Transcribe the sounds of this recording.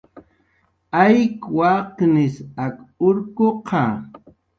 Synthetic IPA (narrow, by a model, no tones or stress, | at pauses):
ajkwaqnɪsakʊɾkoqʰɑ